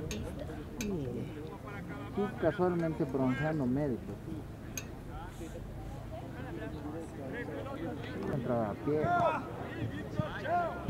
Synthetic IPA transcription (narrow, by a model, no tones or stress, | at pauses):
i | sikaswalmẽnt̪epɾonũnsjand̪omeðikos | ent̪ɾaðaapje